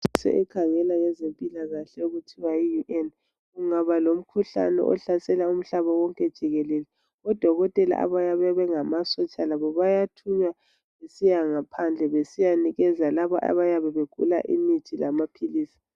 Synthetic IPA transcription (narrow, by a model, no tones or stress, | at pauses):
sɛ̰ʔɛkʰaŋɛlaŋɛzempʼilaɣaɬɛuɣutʰiwaijuʔɛn | ɣuŋaβalom̩kʰuɬa̰nɛ̰ʔɔ̰ɬasɛlaum̩ɬaβawɔŋkʼɛd̥ʒ̥ʱiɣɛlɛlɛ | ɔd̥ʱɔɣɔtʼɛla̰ʔa̰βajaβɛβɛŋamasɔt͡ʃʼalaβɔβajatʰuɲwa | βesijaŋapʰand͡ɮʱɛβesijaniɣɛzalaβɔʔa̰βajaβɛβeɡ̥ʱṵla̰ʔḭmitʰilamapʰiliːsi̥